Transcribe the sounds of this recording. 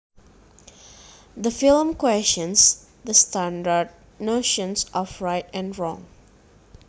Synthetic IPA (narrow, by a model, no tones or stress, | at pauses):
d̪əfɪlmkwɛst͡ʃə̃ns | d̪əstæ̃ndəɖ̚ | noʃə̃nsɔfɹaɪʈɛ̃nɖɹɔ̰̃ŋ